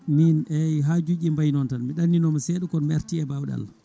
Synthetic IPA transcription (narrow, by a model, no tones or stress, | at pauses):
minɛjɦad͡ʒud͡ʒimbajnɔntanmiɗanːinɔmasɛɗukɔnmɛɾtiɛbawɗa̰l